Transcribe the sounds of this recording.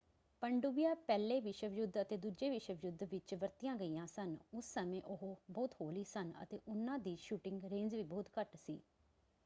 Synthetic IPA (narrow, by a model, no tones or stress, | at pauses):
pəɳɖubɪijaːpɛːleːʋɪʃəʋjʊd̪ət̪eːd̪uːd͡ʒeːʋɪʃəʋjʊd̪ʋɪt͡ʃʋəɾt̪ijãːɡəiːjãːsənʊsːəmẽːʔʊɦbɔːt̪hoːliːsənə̰t̪ḛːʔʊnːãːd̪iːʃuːʈɪŋɡɾẽːnd͡ʒʋiːbɔːt̪kəʈsḭː